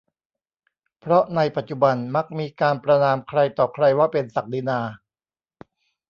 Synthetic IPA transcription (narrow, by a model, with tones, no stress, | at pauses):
pʰɾɔ˦˥ʔna˧jpa˨˩t̪̚t͡ɕu˨˩ba˧nma˦˥k̚miː˧kaː˧npɾa˧naː˧mkʰɾa˧jt̪ɔː˨˩kʰɾa˧jwaː˥˩pe˧nsa˨˩k̚di˧naː˧